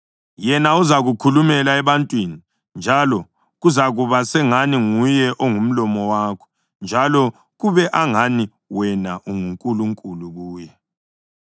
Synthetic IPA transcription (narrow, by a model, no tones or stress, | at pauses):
jɛnauzaɣukʰulumɛlaɛβantʼwini | nd͡ʒʱalɔ | ɣuzaɣuβasɛŋaniŋujɛʔɔŋum̩lɔmɔwaːkʰɔ̥ | nd͡ʒʱalɔ | ɣuβɛʔaŋani | wɛnaʔuŋuŋkʼuluŋkʼuluɣuːjɛ